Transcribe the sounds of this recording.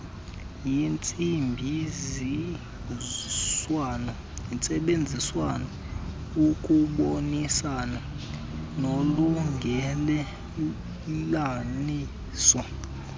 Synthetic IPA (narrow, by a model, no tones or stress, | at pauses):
jint͡sʼimbʱizi | wnɔ | int͡sʼɛɓend͡zʱiswanɔ | ukʼuɓonisana | noluŋɡʱɛlɛ | lani | sɔ